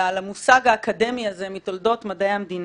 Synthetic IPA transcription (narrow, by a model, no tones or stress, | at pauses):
alamusaɡaːkade̞miaze̞mit̪oldo̞tmadejamdin